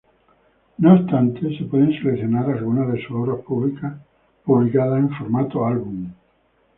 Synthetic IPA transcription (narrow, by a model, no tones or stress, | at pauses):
noːst̪ant̪esepweðenselekθjonaɾalɣunaðesuoβɾaspuβlika | puβlikaðaseɱfoɾmat̪oalβum